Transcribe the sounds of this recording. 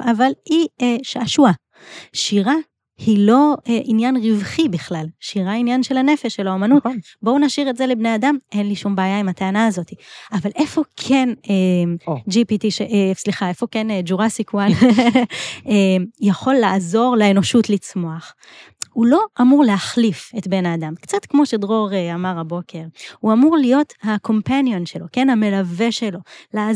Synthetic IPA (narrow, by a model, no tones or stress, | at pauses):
avalieʃaʃua | ʃiʁa | hilo̞eʔinjanʁivχibiχlalʃiʁainjanʃe̞lane̞feʃelaomanut | bo̞unaʃiʁetze̞lebneadamʔe̞nliʃumbeːjaimat̪eanaːzo̞t̪iavalʔe̞fo̞kʰe̞ned͡ʒipitiʃeʔsliχae̞fo̞kend͡ʒuʁasikuan | emjaχo̞lːaːzo̞ʁleeno̞ʃutlit͡smo̞aχ | ulo̞ʔamuʁleaχlifetbe̞nadamkt͡satkmo̞ʃe̞dʁo̞ʁeamaʁabo̞kʰe̞ʁhuamuʁlijo̞thakʰo̞mpanjo̞nʃelo̞ke̞nhame̞lave̞ʃe̞lo̞la